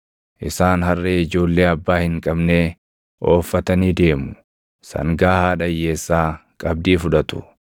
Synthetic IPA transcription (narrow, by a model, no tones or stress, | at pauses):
ʔɪsaːnɦɐrːeːɪd͡ʒo̞ːlːe̞ːɐbːaːhɪŋkʼɐbneː | ʔo̞ːfːɐt̪ɐniːd̪e̞ːmʊ | sɐ̰ŋɡaːhaːᶑɐjːe̞ːsːaːkʼɐb̚d̪iːfʊᶑɐt̪ʊ̥̰